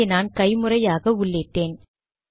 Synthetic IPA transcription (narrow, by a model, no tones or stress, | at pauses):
naːnkɐɪmɯrɐjaːɣɐʊɭːeʈːeːn